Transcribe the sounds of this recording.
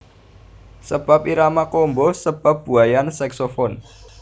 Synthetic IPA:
səb̥a̤p̚iɾamakɔmbɔsəb̥a̤p̚b̥ṳajansɛksofɔn

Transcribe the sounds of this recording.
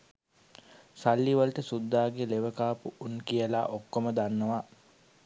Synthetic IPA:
salːiʋəlʈəsud̪ːaːɡeleʋəkaːpuʔunkijəla̰ːʔokːoməd̪anːəʋa

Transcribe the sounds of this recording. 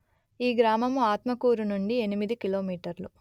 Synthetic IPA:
iːɡɾaːmɐmuaːt̪mɐkuːɾunuɳɖie̞nimid̪ikiloːmiːʈɐɾlu

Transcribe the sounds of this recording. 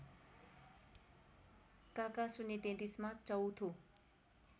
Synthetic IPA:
kakasunet̪ẽt̪ismãt͡ʃʌwt̪ʰo

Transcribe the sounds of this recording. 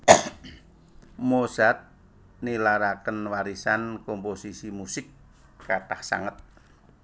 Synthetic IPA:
mosat̪̚ | nilaɾakənwaɾisankomposisimusɪkː | at̪ahsa̰ŋət̪̚

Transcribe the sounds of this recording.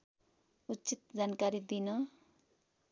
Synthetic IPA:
utːt͡sit̪̚d͡zankaɾid̪inʌ

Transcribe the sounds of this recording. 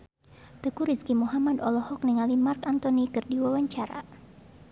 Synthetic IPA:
t̪əkuɾiskimuɦamad̪ɔlɔhɔk̚nəŋalimarkant̪ɔnikɨrdiwawaɲt͡ʃaɾa̰

